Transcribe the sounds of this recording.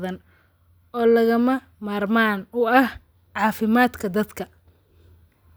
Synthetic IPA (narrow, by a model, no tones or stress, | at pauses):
ðɐn | ɔːlɐɣɐmɐ | maːrmaːnʊɐh | ʕɑːfɪmaːd̪kʰɐd̪ɐd̪kʰɐ